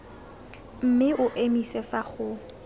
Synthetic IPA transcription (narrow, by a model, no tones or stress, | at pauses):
m̩mɪʔʊʔemisɛfaχʊ